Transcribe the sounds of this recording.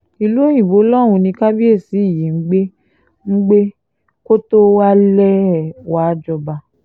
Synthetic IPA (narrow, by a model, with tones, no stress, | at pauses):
i˧lu˦e˦j̃ĩ˨bo˨˦lɔ̃˦˨ũ˧nĩ˧ka˦bi˦e˦˨si˨˦˨ji˨ŋ̩˦ɡ͡be˦ | ŋ̩˦ɡ͡be˦ | ko˦to˦wa˦lɛ˦˨wa˦d͡ʒɔ˧ba˧